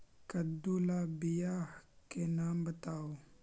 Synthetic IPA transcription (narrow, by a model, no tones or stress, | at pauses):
kɐd̪ulabijahkenaːmbət̪aːo